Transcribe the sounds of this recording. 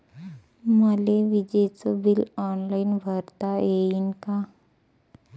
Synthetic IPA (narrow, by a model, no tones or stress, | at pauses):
məleʋid͡ʑet͡səbilɔnlainbʱəɾt̪aeinka